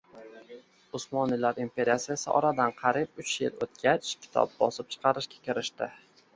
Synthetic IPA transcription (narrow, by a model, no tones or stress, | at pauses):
ʊsmɒnɪlaɾimpʰe̞ɾijasijasɪʔɒ̰ɾad̪anqʰɑɾib̚ʊt͡ʃjɪ̰lot̪̚kʲat͡ʃkʲʰɪ̥t̪ʰɒ̰p̚bɒ̰sɪp̚t͡ʃʰɨ̥qʰɑɾɪʃkʲḁkʲɪɾɪʃt̪ɪ